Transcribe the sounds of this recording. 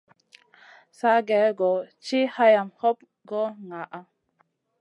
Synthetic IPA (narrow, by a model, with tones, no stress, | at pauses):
sa˦ɡɛ˨˦ɡɔ˨t͡ʃi˦ha˦ja˨mhɔ˦p̚ | ɡɔ˦ŋa˨ʔa˦